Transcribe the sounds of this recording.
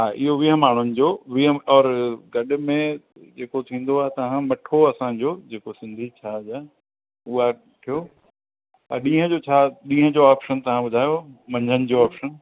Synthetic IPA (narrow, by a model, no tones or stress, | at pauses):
ɦaːʔɪɦoʋiɦəmaːɳ̤ʊnɪ̆d͡ʑoːʋiɦəɔːɾɡɐɗʊ̆mẽ | d͡ʑeːkot̪ʰĩːn̆d̪oaːɦet̪ɐʋ̤ãmɐʈʰoɐsãːd͡ʑoːd͡ʑeːkosɪ̃nd̪ʱit͡ɕʰaːd͡ʑa | ʊɦa | ʈʰijo | ɐɗĩːɦə̃d͡ʑot͡ɕʰaːɗĩːɦə̃d͡ʑoaːpʃənt̪ɐʋ̤ãɓʊd̪ʱaːjomɐ̃ɲd͡ʑənɪ̆d͡ʑoaːpʃən